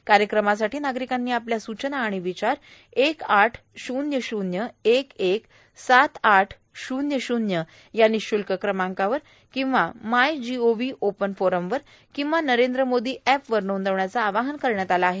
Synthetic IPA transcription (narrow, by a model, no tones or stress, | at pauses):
kaɾjəkɾəmas̬aʈiːnaɡɾikanːiːapljasut͡ɕənaːɽ̃iʋit͡ɕaɾ | ekaʈʰ | ɕunjəɕunjəekek | sat̪ʰaʈʰ | ɕunjəɕunjə | janiɕulkəkɾəmãŋkaʋəɾ | kĩw̃ʋamajd͡ʑioʋiːʔopənfoɾəmʋəɾ | kĩw̃ʋanəɾend̪ɾəmod̪ʱiːʔæpʋəɾnound̪əʋɳjat͡saːʋaɦənkəɾɳjat̪alaːɦe